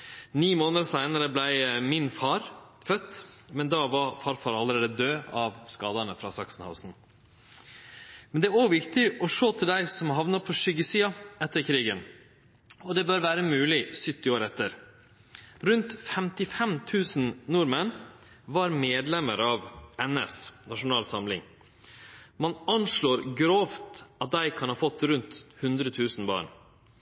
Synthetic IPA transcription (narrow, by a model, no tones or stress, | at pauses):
niːmoːnəsæɪnəɾəblæɪmɪnfɑɾfœt̪ːmɛnd̪ɑʋɑfɑɾfɑɾɑlːəɾeːd̪əd̪øːɑʋskɑːd̪ɑnəfɾɑ̰ːsɑksn̩ha̰ʊsn̩ | mɛnd̪ɛæɾoːɡʋɪkt̪ɪʔɔʂoːt̪ʰɪld̪æɪsɔmɦɑʋnɑpʰɔʂʏɡəsiːɑɛt̪ːəɾkʰɾiːɡən | ɔd̪ɛbøːɾʋæːɾəmʉːlɪsʏt̪ːɪoːɾɛt̪ːəɾ | ɾʉnt̪fɛmt̪ɪfɛmt̪ʰʉːsn̩nuːɾmən | ʋɑɾmeːd̪lɛməɾɑʋɛnə̰snɑʂʊnɑːlsɑmlɪ̰ŋ | mɑnɑnʂɭoːɾɡɾoːft̪ɑt̪̚d̪æɪkʰɑnhɑːfɔt̪ːɾʉnt̪hʉnd̪ɾət̪ʰʉːsn̩bɑ̰ːɳ